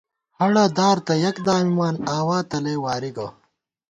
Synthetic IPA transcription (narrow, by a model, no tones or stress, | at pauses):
hɐɽɐd̪aːɾt̪ɐjɐkd̪aːmimaːnaːwaːt̪ɐleːwaːɾiɡɐ